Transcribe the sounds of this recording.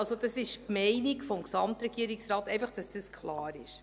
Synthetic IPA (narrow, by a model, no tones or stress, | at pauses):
ɑlsod̥ɑsɪʃpmɛɪnikfɔmksɑmtɾɛɡ̥iəɾɪksɾɑːtɛɪfɑχd̥ɑsd̥əskʰlɑːɾɪ̰ʃ